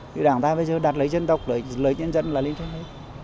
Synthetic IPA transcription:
ɲɨ̰˧˩ɗaː˧˩ŋt̪aː˧ɓə˧jzəː˨˩ɗaː˨˩t̚lə˨˦jzə˧nt̪ə˨˩wk͡p̚ləː˧˩˦jləː˨˦ɲə˧nzə̰˧˨nlaː˨˩li˧˦nt̪ʰa˧ŋte˨˦˥t̚

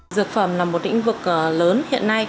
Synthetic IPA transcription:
zɨ˨˩ək̚fə˧˩mna˨˩mːo˨˩t̚lḭ̈˧˥ŋ̟vɨ˨˩k̚ʔːləː˨˦nhḭ˧˨ənːa˧j

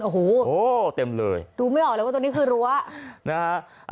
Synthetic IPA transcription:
ʔo˨˩oː˩oː˧˥t̪e˧mlɤ̰ː˧jduː˧ma˥˩jʔɔː˨˩klːw̪ni˦˥kʰɯː˧ɾu˦˥ɐna˦ha˦˥ʔ | ʔ

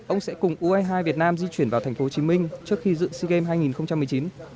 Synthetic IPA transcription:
ʔə˧wŋ͡msɛ̰˧˥kʊ˨˩ŋ͡mʔu˧ʔə˧jɦaː˧vi˨˩ət̚naː˧mzi˧t͡ɕwi˧˩ənvaː˨˩t̪ʰɛ˨˩ŋ̟fo˨˦o˧t͡ɕi˨˦mï˧ŋ̟t͡ɕɨ˦˥ək̚xi˧zɨ̰˧˨si˧ɣe˧mɦaː˧jŋi˨˩nxə˧wŋ͡mt͡ɕa˧mːɨ˨˩ət͡ɕi˨˦n

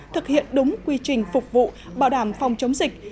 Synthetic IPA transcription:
t̪ʰɨ˨˩k̚hḭ˧˨ənɗʊ˨˦ŋ͡mkwi˧t͡ɕï˨˩ŋ̟fʊ˨˩k͡p̚vṵ˧˨ | ɓaː˧˩wɗaː˧˩mfa˨˧wŋ͡mt͡ɕə˨˦wŋ͡mzï˨˩k̚

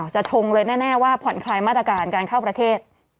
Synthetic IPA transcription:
wt͡ɕa˨˩ʔt͡ɕʰo˧ŋlɤː˧jnɛː˥˩nɛː˥˩waː˥˩pʰɔ˩˦nkʰlaː˧jmaː˥˩t̪ːɾa˧kaː˧nkaː˧nkʰa˥˩wpɾa˧t̪ʰeː˥˩t̪̚

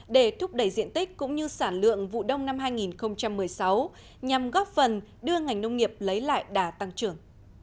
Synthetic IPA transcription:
ɗe˧˩t̪ʰʊ˦˥k͡p̚ɗə˧˩jzḭ˧˨ənt̪ï˦˥k̟̚kːʊ̰˧˥ŋ͡mɲɨ˧saː˧˩nlɨ̰˧˨əŋvṵ˧˨ɗə˧wŋ͡mna˧mɦaː˧jŋi˨˩nxə˧wŋ͡mt͡ɕa˧mːɨ˨˩əjsa˨˦w | ɲa˨˩mɣɔ˦˥p̚fə˨˩nɗɨ˧əŋa˨˩jŋ̟nə˧wŋ͡mŋi˨˩əp̚lə˨˦jla̰ː˧˨jɗaː˨˩t̪a˧ŋt͡ɕɨ˧˩əŋ

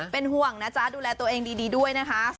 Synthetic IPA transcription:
pe˧nɦu˨˩əŋna˦˥t͡ɕa˦˧˩duː˧lɛː˧t̪u˧əʔeː˧ŋdiː˧diː˧du˥˩əjna˦˥kʰa˦˥

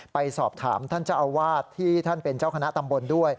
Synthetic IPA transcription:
pa˧jsɔː˨˩p̚t̪ʰa̰ː˩˦mt̪ʰa˥˩nt͡ɕa˧˩ʔa˧wwaː˥˩t̪ʰːiː˥˩t̪ʰa˥˩npe˧nt͡ɕaː˥˩wkʰa˧na˦˥t̪a˧mbo˧ndu˥˩əj

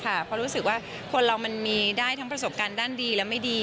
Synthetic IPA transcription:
kʰa˥˩pʰɔ˦˥ɾuː˦˥sɯ˨˩k̚waː˥˩ | kʰo˧nɾa˧wma˧nmiː˧daː˥˩jt̪ʰa˦˥ŋpɾa˧so˨˩p̚kaː˧ndaː˥˩ndiː˧lɛ˦˥wma˥˩jdiː˧

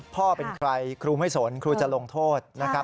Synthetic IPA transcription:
pʰɔː˥˩pe˧nkʰɾa˧jkʰɾuː˧ma˥˩jso˩˦nkʰɾuː˧t͡ɕa˨˩lo˧ŋt̪ʰoː˥˩t̪̚na˦˥kʰa˦˥

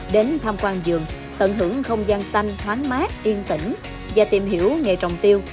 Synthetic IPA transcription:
ɗe˨˦nt̪ʰaː˧mkwaː˧nzɨ˨˩əŋ | t̪ə˧˩nɦɨ̰˧˩əŋxə˧wŋ͡mzaː˧nsa˧jŋ̟hwaː˨˦nmaː˦˥t̚ʔi˧nt̪ḭ˧˩ŋ̟ | vaː˨˩t̪i˨˩mɦi˧˩əwŋe˨˩jt͡ɕə˨˩wŋ͡mt̪i˧əw

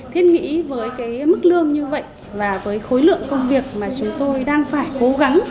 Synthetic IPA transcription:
t̪ʰi˧ənŋḭ˧˥vəː˨˦jkaː˨˦jmɨ˦˥k̚lɨ˧əŋɲɨ˧və̰˧˨jʔ | vaː˨˩vəː˨˦jxo˨˦jlɨ̰˧˨əŋkə˧wŋ͡mvi˨˩ək̚maː˨˩t͡ɕʊ˨˦ŋ͡mt̪o˧jɗaː˧ŋfaː˧˩jko˨˦ɣa˨˦ŋ

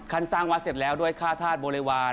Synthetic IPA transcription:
kʰa˧nsaː˥˩ŋwaː˧˥se˨˩t̪̚lɛː˦˥wdu˥˩əjkʰaː˥˩t̪ʰaː˥˩t̪̚boː˧leː˧waː˧

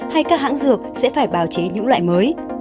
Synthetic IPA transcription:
ha˧jkaː˦˥k̚ha̰˧˥ŋzɨ˨˩ək̚sɛ̰˧˥faː˧˩jɓaː˨˧˩wt͡ɕe˨˦ɲɨ̰˧˥ŋla̰ː˧˨jməː˨˦j

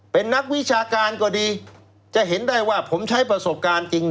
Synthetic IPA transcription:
pe˧nːa˦˥k̚wi˦˥t͡ɕʰaː˧kaː˧nkɔː˨˩diː˧ | t͡ɕa˨˩ʔɦe˩˦nda˥˩jwaː˥˩pʰo˩˦mt͡ɕʰa˦˥jp̬ɾa˧so˨˩p̚kaː˧nt͡ɕi˧ŋ

